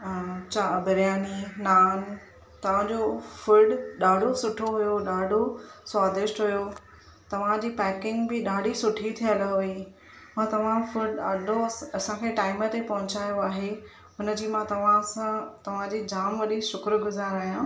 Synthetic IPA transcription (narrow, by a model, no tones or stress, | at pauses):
t͡ɕaːbɐɾjaːninaːn | t̪ɐʋ̤ãd͡ʑofʊlɖɗaːɖʱosʊʈʰoɦʊjoɗaːɖʱoswaːd̪ɪʃʈɦujo | t̪ɐʋ̤ãd͡ʑiːpɛːkɪ̃ŋɡbɪɗaːɖʱisʊʈʰit̪ʰijəlɦʊe | mãt̪ɐʋ̤ãfʊɖaːɖʱoɐsãkʰeʈaːɪmət̪epɐɦʊt͡ɕaːjoaːɦe | ɦʊnə̆d͡ʑiːmãt̪ɐʋ̤ããt̪ɐʋ̤ãd͡ʑiːd͡ʑaːmʋɐɗiʃʊkɾɡʊzaːɾaːɦijã